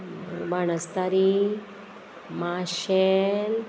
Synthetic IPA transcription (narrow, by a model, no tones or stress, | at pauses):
baɳəst̪aɾi | maɕel